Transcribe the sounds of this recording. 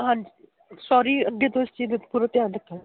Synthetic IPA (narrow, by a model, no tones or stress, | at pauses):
ɦãnd͡ʒ | sɔːɾiːəɡːeːt̪õːɪst͡ʃiːd̪puːɾət̪jaːləkʰːə